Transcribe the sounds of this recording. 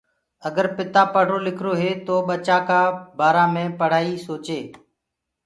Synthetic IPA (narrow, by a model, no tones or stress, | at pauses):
əɡəɾpɪt̪aːpəɽ̤oːlɪkʰɾoːɦeːt̪oːɓət͡ʃaːkaːbaːɾãːmẽːpəɽ̤aːiːsoːt͡ʃeː